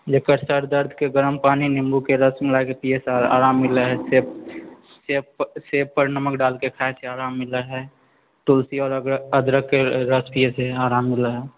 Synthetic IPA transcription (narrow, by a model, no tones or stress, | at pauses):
jekəɾsəɾd̪əɾd̪ʱkeɡəɾəmpaːninɪ̃mbukeɾəsmɪlakepijesea̰ːɾaːmːɪlaɦɛse | sesepəɾnəməkɖaːlkekʰaːeseaːɾaːmːɪlaɦɛː | ʈulsiɔːɾəd̪ɾəkːeɾəspieseaːɾaːmːɪlaɦɛː